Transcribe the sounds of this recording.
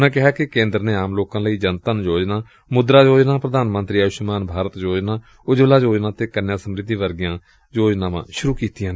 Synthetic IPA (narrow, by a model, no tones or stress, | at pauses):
nãːkɪɦaːkɪkẽːnd̪əɾnẽːaːmloːkãːləiːd͡ʒənt̪ənd͡ʒoːd͡ʒnaː | mʊd̪ɾaːd͡ʒoːd͡ʒnaːpɾəd̪aːnmə̃nt̪ɾiːaːʃmaːnbʱaːɾət̪d͡ʒoːd͡ʒnaː | ʊd͡ʒʋlaːd͡ʒoːd͡ʒnãːt̪eːkənjãːsəmɾɪd̪ːiːʋəɾɡɪjãː | d͡ʒoːd͡ʒnãːʋã̰ːʃʊɾuːkiːt̪ijãːnː